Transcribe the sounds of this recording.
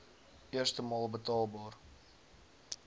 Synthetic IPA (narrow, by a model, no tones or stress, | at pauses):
ɪərstəmɑːlˠbətɑːlˠbɑːr